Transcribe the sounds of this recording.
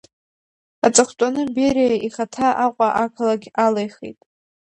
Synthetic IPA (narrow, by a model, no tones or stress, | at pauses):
at͡sʼaχʷt͡sʷʼanɨbeɾejaʔiχatʰaʔaqʷʼaʔakʰalaɡʲalejχḛjtʼ